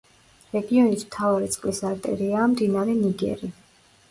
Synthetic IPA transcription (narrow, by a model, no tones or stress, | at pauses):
ɾɛɡiɔnit̪ʰmt̪ʰavaɾit̪sʼqʼlisaɾt̪ʼɛ̰ɾiaːmd̪inaɾɛniɡɛ̰ɾi